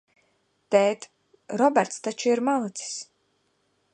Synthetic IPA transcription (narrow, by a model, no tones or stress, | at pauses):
t̪ɛːt̪ | ɾɔbɛɾt̪st̪at͡ʃuiɾmalˠɨt̪si̥s